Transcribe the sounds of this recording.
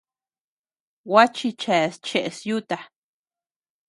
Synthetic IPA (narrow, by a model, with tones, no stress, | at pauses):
wa˦t͡ʃi˧t͡ʃa˨st͡ʃe˨ʔsju˦t̪a˧